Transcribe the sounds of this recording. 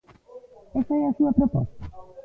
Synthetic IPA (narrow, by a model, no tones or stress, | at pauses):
esaɛasuapɾopɔ̰st̪a